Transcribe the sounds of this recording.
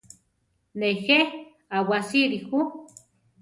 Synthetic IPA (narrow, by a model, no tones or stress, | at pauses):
nexe | awasiɾixu